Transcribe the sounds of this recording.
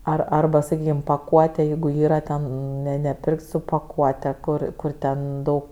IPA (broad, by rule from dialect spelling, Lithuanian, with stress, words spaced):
ˈɐr ɐrˈbɐ sɐˈkʲiːkʲɪm pɐˈkuɔtʲɛ ˈjɛɪɡʊ ˈiːrɐ tʲɛn nʲɛ nʲɛˈpʲɪrʲkʲtʲ sʊ pɐˈkuɔtʲɛ ˈkʊr ˈkʊr ˈtʲɛn ˈdɐʊk